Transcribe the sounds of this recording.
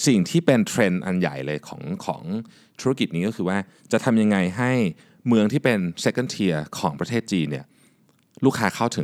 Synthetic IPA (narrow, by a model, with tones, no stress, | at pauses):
si˨˩ŋt̪ʰiː˥˩pe˧nt̪ʰɾe˧nʔa̰˧nja̰˨˩jlɤː˧jkʰɔ̰ː˩˦ŋkʰɔ̰ː˩˦ŋ | t̪ʰu˦˥a˥˧ki˨˩niː˦˥kɔː˥˩xʰɯː˧waː˥˩ | t͡ɕa˨˩ʔt̪ʰa˧mja˧ŋːa˧jɦa˥˩j | mɯ˧əŋt̪ʰiː˥˩pe˧nse˦˥kːa˥˩nt̪ʰi˧ɐkʰɔː˩˦ŋpɾa˧t̪ʰeː˥˩t̪̚t͡ɕiː˧nːi˥˩ɐ | luː˥˩kʰaː˦˥kʰa˥˩wt̪ʰɯ˩˦